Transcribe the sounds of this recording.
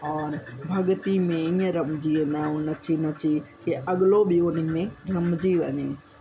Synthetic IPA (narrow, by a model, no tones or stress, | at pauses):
ɔːɾbʱɐɠt̪imẽĩːə̃ɾɐmd͡ʑiʋẽnd̪ãʊnɐt͡ɕinɐt͡ɕikeʔɐɠlobionĩmẽɾɐmd͡ʑiʋɐɲe